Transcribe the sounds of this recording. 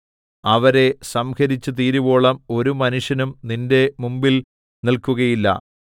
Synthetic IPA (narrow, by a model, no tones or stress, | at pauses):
ɐʋɐɾe̞sɐmhɐɾit͡ɕːɨt̪̬iːɾubo̞ːɭɐmo̞ɾumɐnuʂjɐnumninde̞mumbil | nilkuɣɐjilːɐ̰